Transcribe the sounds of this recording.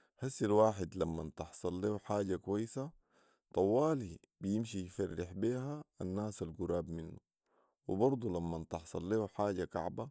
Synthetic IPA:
ħasːalwaːħɪd̪lamːant̪ɑħsˤɑlːeːuħaːɟakuwajːsa | t̪ˤɑwːaːli | bijimʃijfɑrːɪħbiːɦaanːaːsalɡuɾaːbminːu | wḭbɑɾˤd̪ˤulamːant̪ɑħsˤɑlːeːħaːɟaka̰ʕba

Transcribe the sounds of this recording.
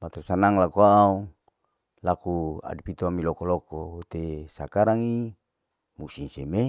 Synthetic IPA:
mat̪ɛrsanaŋlakoaːu | lakua̰dupit̪oamilokolokoot̪esakaɾaŋi | musinseme

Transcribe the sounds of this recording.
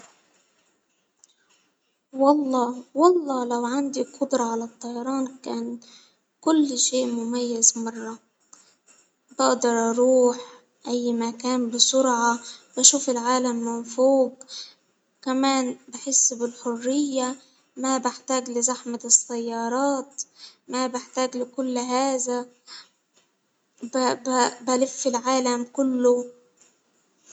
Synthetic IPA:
wɑlˤːɑːwɑlˤːɑːlawʕand̪iqʊd̪ɾˤɑʕalat̪ˤːɑjɑɾˤɑːnkaːn | kʊlːʃeːʔmʊmajːazmɑrˤːɑ | bɪʔd̪ɑɾˤʔɑɾˤuːħ | ʔajːmakaːnbɪsʊɾʕɑbaʃuːfɪlʕaːlamːɪnfuːb | kamaːnbɪħɪsːbɪlħʊrːɪjːa | mabɪħt̪aːɡlɪzaħmat̪ɪsajːɑːɾˤɑːt̪mabɪħt̪aːɡlɪkʊlːɦaːza | bbalɪfːɪlʕaːlamkʊlːʊ

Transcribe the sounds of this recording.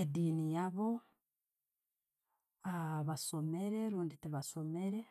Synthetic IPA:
ediːnijaβo̞ | aβaso̞me̞ɾe̞ɾuːnditiβaso̞me̞ɾe̞

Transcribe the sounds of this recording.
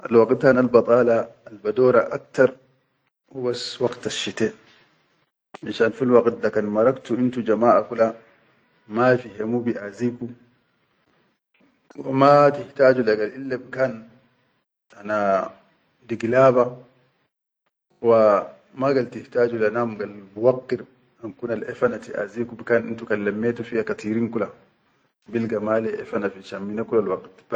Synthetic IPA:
ʔa̰lwɑɡt̪̚kanalbɑt̪ˤɑːlaːlbad̪oːɾaʔak̚t̪ɑɾˤ | wibaswɑɡt̪aʃːit̪e | ʔaʃaːnfilwɑɡt̪̚dakanmɑɾˤɑkt̪uint̪ud͡ʒamaːʔakula | majfiɦemubiʔaziːku | wamat̪ɪht̪aːd͡ʒulaɡalʔilːabkaːn | ana | diɡlaːba | wa | maɡaltihtaːd͡ʒulanamɡalbuwakːiɾ | amkunalʔɛfanatiʔa̰zikubkanḭntukalːamːɛtufijakatiɾiŋkula | bilɡamalɛʔɛ̰fanafit͡ʃamːinakulalwaqtb

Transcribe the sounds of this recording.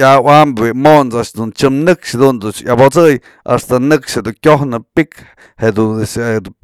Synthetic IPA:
awambwiʔmont͡saʔʂd̪unt͡ʃɨmnɨkʂhed̪und̪ujabot͡sɨj | ʔa̰st̪anɨkʂhed̪ukʲohnɨpik | hed̪used̪u

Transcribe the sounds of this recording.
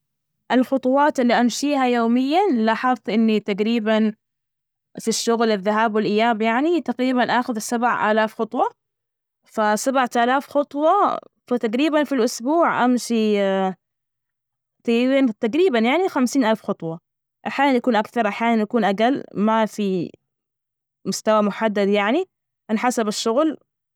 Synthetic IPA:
ʔɪlxʊt̪ˤʊwɑːt̪ɪlːiʔamʃiːɦajoːmɪjːalaħɑtˤʔɪnːit̪aɡɾiːban | fiʃːʊɣlɪðːaɦaːbwɪlʔɪjːaːbjaʕnit̪aɡɾiːbanʔaːxʊðsabʕʔa̰ːlaːfxɑt̪ˤwɑ | fasabʕat̪ʔaːlaːfxʊt̪ˤwɑfat̪aqɾiːbanfilʔʊsbuːʕʔamʃi | t̪ˤiint̪aqɾiːbanjaʕnixamsiːnʔalfxɑt̪ˤwɑ | ʔaħjaːnanjakuːnʔakθɑɾˤʔaħjaːnanjakuːnʔaɡalmafi | mʊst̪awamʊħad̪ːad̪jaʕni | ʔanħasabaʃːʊɣl

